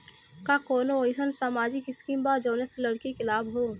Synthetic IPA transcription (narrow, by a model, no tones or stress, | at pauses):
kakoːnoɪsənsaːmaːd͡ʒɪkɪskiːmbaːd͡ʒoːneslɐɽkikɪlaːbɦoː